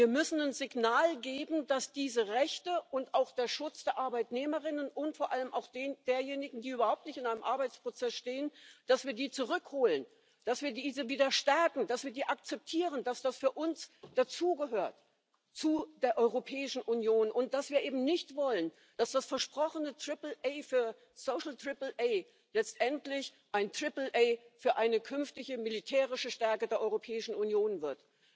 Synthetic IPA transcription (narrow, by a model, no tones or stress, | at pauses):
viːɐmʏsn̩anzɪɡnaːlɡeːbm̩d̥asd̥iːzəʁɛçtəʔʊntʔaʊxd̥eːɐʃʊt͡sd̥eːɐʔaɐbaɪtneːməʁɪnənʔʊntfoːɐʔaləmʔa̰ʊxd̥eːndeːɐjeːnɪɡŋ̩diːʔyːbɐhaʊp̚tnɪçtɪnaɪnəmʔaɐbaɪt͡spʁ̥ot͡sɛsʃteːənd̥asv̥iːɐdiːt͡suʁ̞ʏkhoːlən | d̥asv̥iːɐdiːzəviːdɐʃtɛɐkŋ̩d̥asv̥iːɐdiːʔakt͡sɛp̚tʰiːʁənd̥asd̥asfyːɐʔʊnsd̥at͡suːɡəɦøːɐt | t͡sud̥eːɐʔɔʏʁopʰɛːɪʃn̩ʔunjoːnʔʊnt̚d̥asv̥iːɐʔeːbm̩nɪçtv̥ɔlən | d̥asd̥asfɛɐʃpʁ̥ɔχənətʁ̥ɪpl̩ʔeɪfyːɐ | soːʃl̩tʁ̥ɪpl̩ʔeɪ | lɛt͡stʔɛntlɪç | ʔaɪntʁ̥ɪpl̩ʔeɪfyːɐʔaɪnəkʰʏnftɪçəmilitʰɛːʁɪʃəʃtɛɐkədeːɐʔɔʏʁopʰɛːɪʃn̩unjoːnvɪɐt